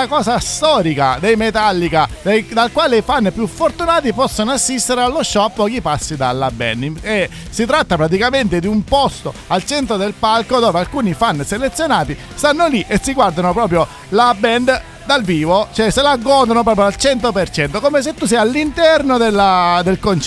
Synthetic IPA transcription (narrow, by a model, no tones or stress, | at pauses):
akɔːsast̪ɔːɾika̰d̪ejmet̪alːikad̪ed̪alkwaːleifanːpjufːort̪unaːt̪ipɔsːonoasːist̪eɾealːoʃːɔapːɔːkipasːid̪alːabɛ̰nd̪e | sit̪ɾat̪ːapɾat̪̬ikament̪ed̪iumpɔst̪oalt͡ʃɛnt̪ɾod̪elpalkod̪oːvealkuːnifanːselet̪sːjonaːt̪i | st̪anːoliʔesːiɡward̪anopɾɔːp̬ɾjo | labɛnd̪ | d̪alviːvot͡ʃoɛselaɡːɔːd̪onop̬ɾɔːpɾjod̪alt͡ʃɛnt̪opert͡ʃɛnt̪okoːmes̬et̪ːus̬ɛjalːint̪ɛrnod̪elːad̪elkont͡ʃ